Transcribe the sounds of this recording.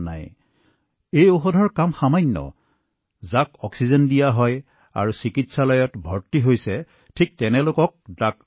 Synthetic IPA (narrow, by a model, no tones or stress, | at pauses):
na̰j | ejoxɔdʱɔɹkamxamajɲːɔ̰ | zakɔksizɔndijaɦɔj | a̰ɹusikitsalɔjɔtbʱɔɹtiɦojsɛ | tʰik̚tɛnɛlʊkɔk̚dak̚